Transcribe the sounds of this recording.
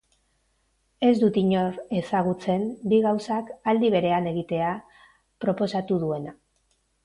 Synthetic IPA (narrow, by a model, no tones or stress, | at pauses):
e̞zd̪ut̪iɲo̞ɾe̞saɣ̞ut͡se̞mbiɣawsakald̪iβ̞e̞ɾe̞ane̞ɣ̞it̪e̞a | pɾo̞po̞sat̪uðue̞na